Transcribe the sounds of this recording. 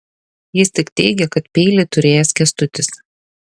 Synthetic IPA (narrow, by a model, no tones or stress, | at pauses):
jɪsʲt̪ʲɪkt̪ʲɛɪɡʲɛkɐt̪pʲɛːlʲɪt̪ʊɾʲeːjɛskʲɛst̪ʊt̪ʲɪs